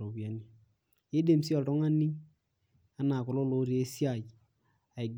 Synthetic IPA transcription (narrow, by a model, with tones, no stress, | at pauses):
ɾo˨βja˨ni˦ | e˦de˨msi˦ɔ˨ltɔ˦ŋa˦ni˦ | a˨˦na˨kʊ˨lo˦lo˦ɾi˨e˦sja˦˨j | a˨ɪ˨ɡ